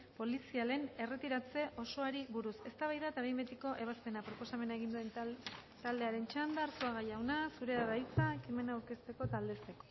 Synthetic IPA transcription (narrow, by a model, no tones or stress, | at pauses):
po̞lisiale̞ne̞re̞t̪iɾat͡se̞ʔo̞so̞aɾiβuɾuse̞st̪aβajðaet̪aβejmbet̪iko̞ʔe̞βaspe̞napɾo̞po̞same̞nae̞ɣ̞ind̪ue̞nt̪ald̪e̞aɾe̞nt͡ʃand̪aɾsoaɣajawnasuɾe̞aðajt͡saekime̞naːwɾke̞st̪e̞ko̞t̪ald̪e̞st̪e̞ko̞̥